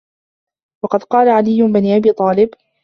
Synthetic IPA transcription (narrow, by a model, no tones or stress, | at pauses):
wɑqɑd̪qɑːlaʕalɪjːʊnbaniʔabiːt̪ˤɑːlɪb